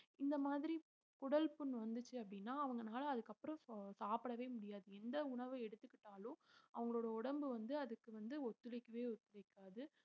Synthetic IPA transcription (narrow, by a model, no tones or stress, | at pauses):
ɪnd̪ɐmaːðɪɾi | kʊɽɐlpʊnːʋɐnd̪ɯt͡ʃːɯɐpːɐɽɪnːaːɐʋɐŋɡɐnaːlɐːðɯkːɐpːɯɾɐ̃saːpɪɽɐʋeːmʊɽɪjaːðɯɛnd̪ɐʊɳɐʋɯɛɽɯt̪ːɯkːɪʈːaːlõːʔɐ̰ʋɐŋɡɐɭoːɽɐɔɽɐmbɯʋɐnd̪ɯɐðɯkːɯʋɐnd̪ɯɔt̪ːɯlɪkːɐʋeːɔt̪ːɯlɪkːaːðɯ